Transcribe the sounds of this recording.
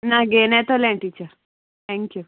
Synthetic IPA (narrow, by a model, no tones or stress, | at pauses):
naːɡeːnet̪oleːɳʈiːt͡ʃa | t̪ʰɛŋkju